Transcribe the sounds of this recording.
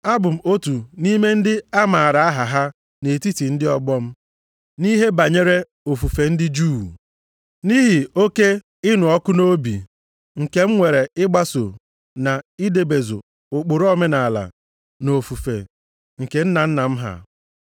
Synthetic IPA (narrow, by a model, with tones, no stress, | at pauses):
a˦bʊ˨m̩˨o˦tu˨ni˦me˦n̩˦dɪ˦a˦ma˨a˨ɾa˨a˦ɦa˨ɦa˦ | ne˨ti˦ti˨n̩˦dɪ˦ɔ˦ɡ͡bɔ˦m̩˦ | ni˦ɦe˦ba˨ɲe˦ɾe˦ | o˨fu˨fe˨n̩˦dɪ˦d͡ʒuː˦˨ | ni˦ɦi˨o˦ke˦ | ɪ˦nʊ˨ɔ˦kʊ˦no˦bḭ˨ | ŋ̩˨ke˨m̩˦ŋʷe˨ɾe˨ɪ˦ɡ͡ba˦so˨ | na˨i˦de˨be˨zo̰˨ | ʊ˨k͡pʊ˨ɾɔ˦me˦na˨la̰˨ | no˨fu˨fḛ˨ | ŋ̩˨ke˨n̩˦na˨n̩˦na˨m̩˦ɦa̰˦˨